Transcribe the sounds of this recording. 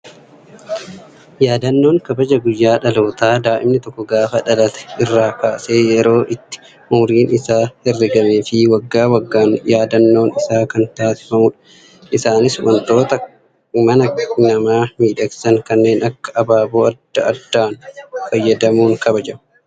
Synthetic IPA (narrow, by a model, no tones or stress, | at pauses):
jaːd̪ɐnːo̞ːŋkɐbɐd͡ʒɐɡʊjːaːᶑɐlo̞ːt̪aːd̪aːʔɪmnɪt̪ɔkːɔɡaːfɐᶑɐlɐt̪ɛ̥ɪrːaːkaːse̞ːjɛɾo̞ːʔɪt̪ːɪ̥ | ʊːɾiːnɪsaːhɛrːɪɡɐmeːfɪwɐɡːaːwɐɡːaːnjaːd̪ɐnːo̞ːnɪsaːkɐnt̪aːsɪ̥fɐmʊᶑɐ | ʔɪsaːnɪswɐ̰nt̪o̞ːt̪ɐ | mɐnɐnɐmaːmiːᶑɐɡsɐŋkɐnːe̞ːnʔɐkːɐ̥ʔɐbaːboːɐd̪ːɐɐd̪ːaːnfɐjːɐd̪ɐmuːŋkɐbɐd͡ʒɐ